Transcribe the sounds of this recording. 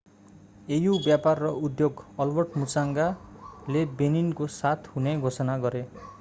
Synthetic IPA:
ejubjaparːʌud̪joɡʌlbʌrʈmut͡saŋɡalebeninkosat̪ʰɦuneɡʱosʌnaɡʌɾe

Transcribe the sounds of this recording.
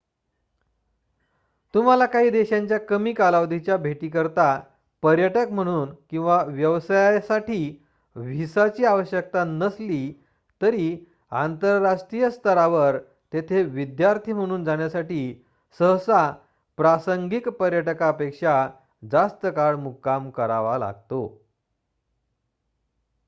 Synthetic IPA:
t̪um̤alakaɦiːd̪eɕaɲt͡ɕjakəmiːkalaʋd̪ʱit͡ɕjabʱeʈiːkəɾt̪a | pəɾjəʈəkm̤əɽ̃uːnkĩw̃ʋaʋjəʋsajsaʈiː | ʋ̤ʱisat͡ɕiːaʋəɕjək̚t̪anəsliː | t̪əɾiː | ant̪əɾːaʂʈɾijəst̪ʰəɾaʋəɾ | t̪et̪ʰeʋid̪jaɾt̪ʰiːm̤əɽ̃uːnd͡zaɽ̃jasaʈiː | səɦsa | pɾasəŋɡikpəɾjəʈkaəpekʂa | d͡zast̪əkaɭmukːamkəɾaʋala̰ɡt̪o

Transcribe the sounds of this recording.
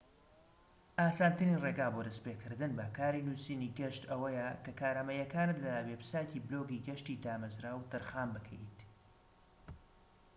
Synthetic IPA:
ʔaːsaːnt̪ɨnireːɡaːboːd̪ɐspeːkʰɨɾd̪ɨnbɐkʰaːɾinuːsiːniːɡɐʃt̪ɐwɐjɐkɐkʰaːɾamɐjɐkaːnɨt̪lɐwepɨ̥saːciːbloːɡiɡɐʃt̪id̪aːmɐzɾaːwt̪ɨɾxaːmbɨkʰɛjt̪

